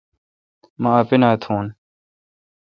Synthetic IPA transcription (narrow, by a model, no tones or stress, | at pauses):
mãːɐpɪnaːt̪ʰũːn